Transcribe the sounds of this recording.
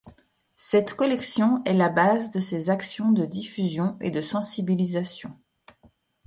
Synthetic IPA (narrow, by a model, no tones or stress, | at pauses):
sɛt̪kɔlɛksjɔ̃ɛlabazd̪əsezaksjɔ̃d̪əd̪ifyzjɔ̃ed̪əsɑ̃sibilizasjɔ̰̃